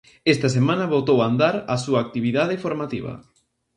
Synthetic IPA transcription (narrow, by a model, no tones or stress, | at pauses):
ɛst̪ɐs̬emãnɐβot̪owand̪aɾasuaːk̚t̪iβiðað̞efoɾmat̪iβ̞ɐ̰